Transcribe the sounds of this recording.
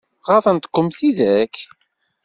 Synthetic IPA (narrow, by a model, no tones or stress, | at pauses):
ʁɑθənt̪ə̥kʷːʊmθiðæk